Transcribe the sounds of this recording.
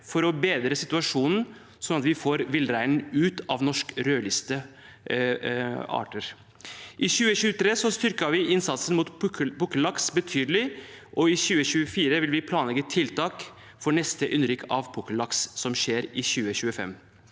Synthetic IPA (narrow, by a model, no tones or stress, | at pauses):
fɔɾɔbeːd̪ɾəsɪt̪ʉɑʂuːnn̩ | sɔnɑt̪ʋɪfoːɾʋɪlɾæɪnn̩ʉːt̪ɑʋnɔʂkɾøːlɪst̪ə | ɑ̰ːʈəɾ | ʔɪɕʉːəɕʉːət̪ʰɾeːsɔst̪ʏɾkəʋɪʔɪnsɑt̪sənmuːt̪bʊkəlɑksbət̪ʰyːd̪əlɪ | ʔɔɪɕʉːəɕʉːəfiːɾəʋɪlʋɪpʰlɑːnlɛɡət̪ʰɪlt̪ʰɑːk | fɔɳɛst̪əʔʏnɾɪkʰɑʋpʰʊkəlɑkssɔmʃeːɾɪçʉːəçʉːəfɛ̰mː